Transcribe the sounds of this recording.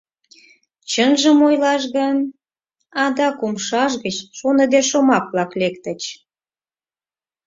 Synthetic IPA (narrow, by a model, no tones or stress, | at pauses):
t͡ɕənʒəmojlɑʃɣən | ɑd̪ɑkumʃɑʒɣət͡ɕʃonə̆d̪eʃomɑkβlɑklekt̪ət͡ɕ